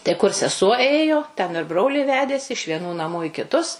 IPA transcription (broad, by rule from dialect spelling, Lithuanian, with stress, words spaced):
tɐɪ kʊr sʲɛˈsuɔ ˈeːjoː tʲɛn ɪr ˈbroːlʲiː ˈʋʲæːdʲeːsʲɪ ɪʃ ʋʲiɛˈnuː nɐˈmuː ɪ kʲɪˈtʊs